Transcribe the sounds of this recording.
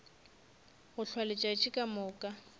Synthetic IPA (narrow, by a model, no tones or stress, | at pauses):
ɣʊɬʰwalɪt͡ʃʼat͡ʃʼɪkʼamʊːkʼa